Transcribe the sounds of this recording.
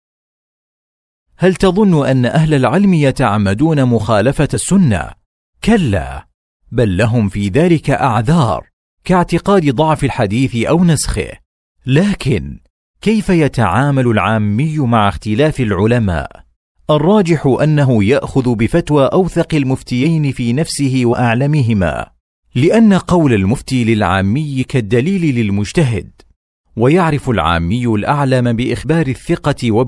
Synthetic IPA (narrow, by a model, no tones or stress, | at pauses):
halt̪ɑðˤʊnːʊʔanːaʔaɦlalʕɪlmɪjat̪aʕamːad̪uːnamʊxaːlafaasːʊnːa̰ | kalːa̰ː | balːaɦʊmfiːðaːlɪkaʔaʕðɑːɾˤ | kaʕt̪ɪqɑːd̪d̪ˤɑʕfɪlħad̪iːθɪʔawnasxɪ̰h | laːkɪn | kajfajat̪aʕaːmalʊlʕaːmːɪjːmaʕaxt̪ɪlaːfalʕʊlama̰ːʔ | ʔɑrˤːɑːd͡ʒɪħʊʔanːaɦʊjaʔxʊðbɪfat̪waːʔawθɑqɪlmʊft̪ɪjajnɪfiːnafsɪhɪwaʔaʕlamɪɦɪma̰ː | lɪʔanːaqɑwlalmʊft̪iːlɪlʕa̰ːmːɪjːkad̪ːaliːlɪlɪlmʊd͡ʒt̪aɦɪ̰d̪̚ | wajaʕɾɪfʊlʕa̰ːmːɪjːʊlʔaʕlambɪʔɪxbɑːɾɪθːɪqɑwa